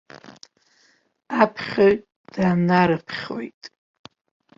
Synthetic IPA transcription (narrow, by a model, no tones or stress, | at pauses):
apʰχʲoɥʼ | d̥aːmnaɾɨpʰχʲo̰jtʼ